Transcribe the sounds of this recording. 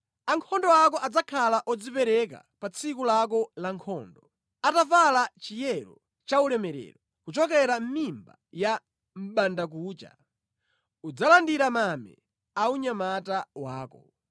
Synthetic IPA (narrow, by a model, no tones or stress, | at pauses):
aŋkʰɔndɔakɔʔad͡zakʰalaʔɔd͡zipɛɾɛk̬a̰pat͡sʰikulak̬ɔlaŋkʰɔːndɔ | atafalat͡ʃijɛɾɔ | t͡ʃaulɛmɛɾɛ̰ːɾɔ | kut͡ʃɔkɛɾam̩mimbaja | m̩ɓandak̬uːt͡ʃa̰ | ud͡zalandiɾamamɛ̰ | auɲamatawaːkɔ̰